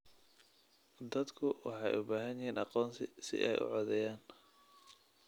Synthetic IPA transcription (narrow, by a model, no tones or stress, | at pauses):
d̪ɐd̪kʰʊwɑ̰ħɑjʔʊbaːɦɐnjɪɦiːnɑqɔːnsɪsɪ̰ʔɛ̰jʊ̰ʕɔðɛjaːn